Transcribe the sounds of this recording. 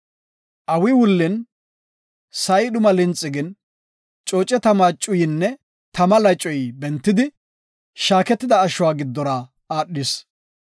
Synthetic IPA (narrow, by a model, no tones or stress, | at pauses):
ʔɐwɪwʊlːɪn | sɐjɗʊmɐlɪnt͡sʼːɪɡɪn | t͡ʃʼoːt͡ʃʼɛt̪ɐmaːt͡ʃʼːʊjɪnːɛ | t̪ɐmɐlɐt͡ʃʼːɔjbɛnt̪ːɪd̪ɪ | ʃaːkɛt̪ːɪd̪ɐːʃʊwaːɡɪd̪ːɔɾa | aːɗːɪs